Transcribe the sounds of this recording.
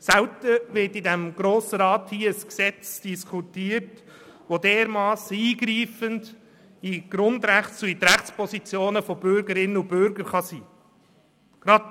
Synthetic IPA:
sɛltəʋɪɾtidæmɡɾoːsəɾɑːthiːəəsksɛt͡sd̥iskʰutiːəɾt | ʋodeːɾmɑːsəiːɡɾiːfənd | iɡ̥ɾʊndɾæχt͡suitɾæχt͡spʰɔsit͡sjoːnəfɔbʏɾɡəɾɪnːəubʏɾɡəɾχɑsiː | ɡ̥ɾɑd

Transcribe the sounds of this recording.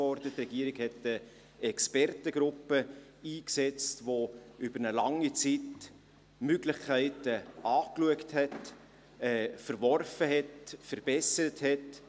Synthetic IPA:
ɔɾdətrɛɡ̥iəɾɪɡhɛtə | ɛkspɛrtəɡ̥ɾʊpːəiːksɛt͡stvoʏb̥əɾnəlɑŋit͡sit | møɡlɪχkʰæɪtəɑːkluəkthɛt | ɛːfəɾvɔrfəɦɛtfəɾb̥ɛsəɾəthɛt

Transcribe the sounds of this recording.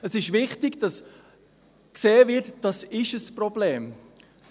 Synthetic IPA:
əsɪʃvɪχtɪɡd̥ɑs | kseːvɪɾtd̥ɑsɪʃəsprɔbleːm

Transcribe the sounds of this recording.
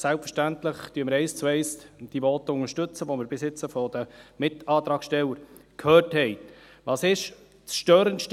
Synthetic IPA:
sælpfəɾʃtænt̪ləχt̪yəməɾɛɪst͡swɛɪsd̥ivɔːt̪əʊŋəɾʃtɵt͡səʋoməɾbɪsɪt͡səfɔd̥̪əmɪtɑːt̪ɾɑːkʃtɛlːəɾ | kʰhøːrthɛɪ | ʋɑːsɪʃ | sʃtøːɾənʃt

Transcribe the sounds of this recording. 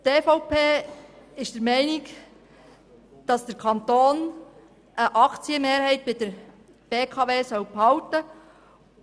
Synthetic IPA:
teːfɔʊpʰeːɪʃd̥əɾmɛɪnɪk | d̥ɑsd̥əɾkʰɑnt̪oːn | ʔəʔɑkt͡siəmeːɾhɛɪt̚b̥ɪd̥əɾ | b̥eːkʰɑveːsœwphɑwtə

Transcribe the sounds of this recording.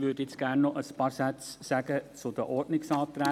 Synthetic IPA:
ʋʏːdjɛt͡sɡ̥æːɾnːɔʔəspɑːɾsæt͡ssæɡ̥ət͡sʊd̪əʔɔɾdnɪksɑːt̪ɾɛ

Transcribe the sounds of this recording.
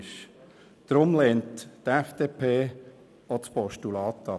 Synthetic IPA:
ʃ | d̪̥ɾʊmlɛːnttɛfd̥eːpʰeː | ɔspɔʃtulɑːt̪ːɑ

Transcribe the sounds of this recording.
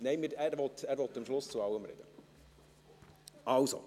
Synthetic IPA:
nɛɪmɪɾæːɾvɔtæːɾʋɔt̪ːɪmʃlʊst͡sʊɑwəmɾɛ̰d̥̪ə | ɑwso̰

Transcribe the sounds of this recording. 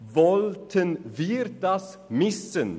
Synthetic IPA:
vɔlt̪ʰənviːɾt̪as | mɪsən

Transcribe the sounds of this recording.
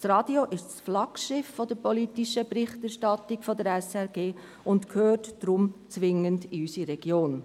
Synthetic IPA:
srɑːd̥ioʔɪʃsflɑkʃɪfːodəɾpolitiʃəpɾɪχtæɾʃtɑtːikfodəɾɛsɛɾɡeː | ʊntkʰøːrtd̥ɾʊmt͡sʋɪŋəndiysiɾɛɡ̥joːn

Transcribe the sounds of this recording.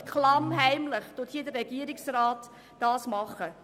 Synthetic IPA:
kʰlɑmɦæɪmləχtʊthiːdərɛɡ̥iəɾɪksrɑːt | d̥ɑːsmɑχə

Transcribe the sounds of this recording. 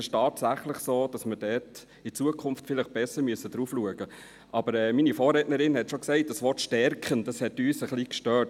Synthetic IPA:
ɪʃtɑːtsæχləχsoːd̥ɑsmədɛt | ɪt͡suəkʰʊnftfɪləχb̥ɛsəɾmyəsədɾuːfluəɡə | ʔɑb̥əɾɛːminifɔːɾrɾɛtnəɾɪnhɛtʃoksɛɪt̚d̥ɑsʋɔɾtʃtɛɾkχəndɑshɛtyːsəχlikʃtøːt

